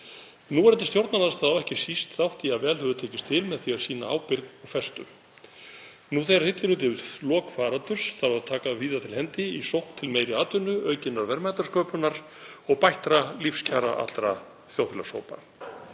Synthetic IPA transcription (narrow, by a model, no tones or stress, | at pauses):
nuːɛɾɛnt̪̬ɪst̪jowɾt̪naðast̪θaðawɛhcɪsist̪θawht̪iavɛːlhœvʏt̪ʰɛːcɪst̪ʰɪlmɛðθiḁsiːna̰a̰ːwpɪɾðɔɣfɛst̪ʏ | nuθejɾahɪt̪lɪnʏt̪ɪθlɔːkfaːɾant̪ʏr̥sθaɾaðt̪ʰaːkaviːðat̪ʰɪlhɛnt̪ɪisowht̪ʰːɪlmejɾɪaːt̪ʏnːʏœːɥcɪnːaɾvɛɾmaːt̪aɾ̥skœːpʏnaɾ̥ | ɔɣpajht̪ɾalifscʰaːɾa̰ʔa̰t̪ɾa | θjawθɪlaso̰ːwpa̰